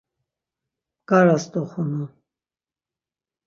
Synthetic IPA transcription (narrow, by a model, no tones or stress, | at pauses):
kaɾast̪ʼɔχunu